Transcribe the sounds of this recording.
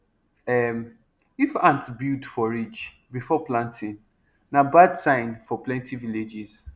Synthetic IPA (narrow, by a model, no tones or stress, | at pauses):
ɛm | ifãntbidfɔɹit͡ʃ | bifɔplãntʰĩn | nabadsãɪ̃nfɔplɛ̃ntiviled͡ʒiz̥